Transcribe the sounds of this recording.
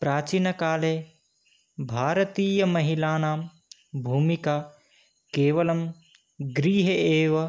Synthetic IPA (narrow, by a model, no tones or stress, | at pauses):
pɾaːt͡ʃinɐkaːle | bʱaːɾɐt̪iːjɐmɐɦilaːnaːm | bʱuːmikaː | keːʋɐlɐm | ɡɾiːɦɐeːʋɐ